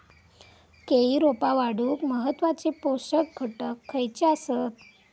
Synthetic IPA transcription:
keiɾopaʋaɽuːkməɦət̪ːʋat͡ɕepoɕək̚ɡʱəʈəkʰːəjt͡ɕeasət̪

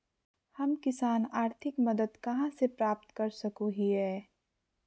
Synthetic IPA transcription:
hɐmkɪsaːnaːɾt̪ʰɪkmɐd̪əd̪kɐɦãsepɾaːp̚t̪kɐɾsɐkuɦiɦɛː

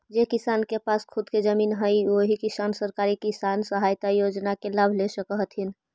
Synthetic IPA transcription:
d͡ʒekisankepaːskʰʊd̪ked͡ʒəmiːnɦəjoɦikisaːnsəɾkaɾikisaːnsəɦaːjt̪ajod͡ʒnakelaːbʱlesəkəɦt̪ɦin

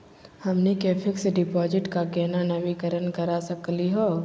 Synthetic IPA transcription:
hɐmnekeːpʰɪksɖɪpɔːd͡ʒɪʈkakɛːnanɐʋɪkəɾənkəɾasəkliɦoː

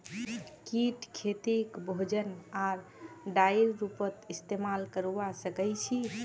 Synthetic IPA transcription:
kiʈkʰet̪ikbʱod͡ʒənaɾɖaiɾɾupət̪ist̪emalkəɾubasəkəjt͡ʃʰi

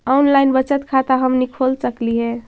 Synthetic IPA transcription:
ɔunlajnbət͡ʃət̪kʰat̪aɦəmnikʰolsəkliɦɛ̃

